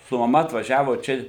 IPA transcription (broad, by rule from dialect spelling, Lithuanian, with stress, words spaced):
sʊ mɐˈmɐ ɐtʋɐˈʒʲæːʋoː ˈt͡ʃʲɛ